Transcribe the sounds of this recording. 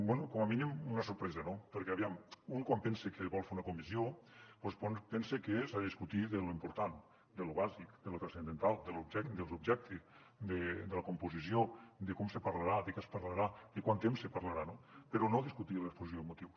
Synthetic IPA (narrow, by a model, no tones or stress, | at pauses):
bwɛnukɔmaminimunəsuɾpɾɛzanopəɾkɛɐβiamuŋkwampɛnsekeβɔlˠfeɾunakumizjoposponpɛnsekesaððiskut̪iðeluimpuɾt̪an | d̪eluβazikd̪əlut̪ɾasend̪ent̪alˠd̪elubʒɛkd̪elˠzubʒɛk̚t̪ʰe | d̪ed̪elakumpuzisjod̪ekɔmsepaɾlaɾad̪ekɛspaɾlaɾad̪ekwant̪emsːepaɾlaɾanopeɾonoðiskut̪ilespozisjomot̪iw